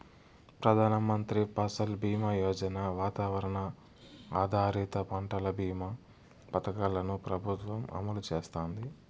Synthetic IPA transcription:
pɾɐd̪ʱaːnɐmɐnt̪ɾipɐsɐlbiːmajɔːd͡ʒɐnaːʋaːt̪aːʋɐɾɐɳɐ | aːd̪ʱaːɾiːt̪ɐpɐɳʈɐlɐbʱiːmɐ | pɐt̪ɐkaːlɐnupɾɐbʱut̪ʋɐmɐ̰mɐlut͡ʃeːst̪oːnd̪i

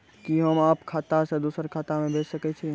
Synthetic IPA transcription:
kiɦəmaːpkʰaːt̪asẽd̪usəɾkʰat̪amẽbʱet͡ʃsəkɛt͡ʃʰi

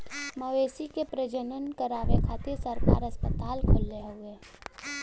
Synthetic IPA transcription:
məʋeːsikepɾəd͡ʒənənkəɾaːʋekʰaːt̪ɪɾsəɾka̰ːɾəspət̪aːlkʰʊlːeɦʊeː

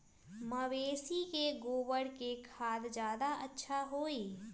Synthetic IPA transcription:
məʋeːsikeɡoːwəɽkekʰaːd̪d͡ʒjaːd̪aɐtːʃʰaɦoːiː

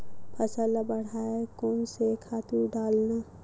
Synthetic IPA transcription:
pʰəsəlabəɽ̤aekoːnsekʰaːt̪uɖaːlna

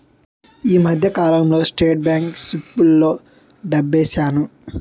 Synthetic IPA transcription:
iːmɐd̪ʱjɐkaːlɐmlo̞ːsʈeːʈ̚bjaːŋksipːulːo̞ː | ɖɐbːeːsaːnu

